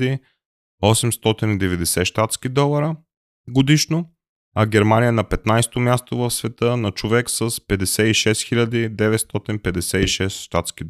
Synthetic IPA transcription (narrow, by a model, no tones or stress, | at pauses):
i | ɔsɛmst̪ɔt̪inid̪ɛvɛd̪ɛsɛʃt̪at̪skid̪ɔlˠɐɾə | ɡod̪iʃno | ɐɡʲɛɾmanijənɐpɛt̪najst̪omʲjast̪ovəfsvɛt̪ɤnɐt͡ʃovɛksəspɛd̪ɛsɛiʃɛsxilʲəd̪id̪ɛvɛt̪st̪ɔt̪inpɛd̪ɛsɛiʃɛst̪ʃt̪at̪skid̪